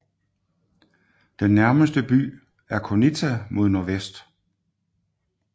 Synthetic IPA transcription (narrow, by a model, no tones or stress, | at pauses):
d̥enːæɐməsd̥əb̥y̰ː | æɐkʰonit͡sʰæmʔo̝ð̞ˠnoɐʋesd̥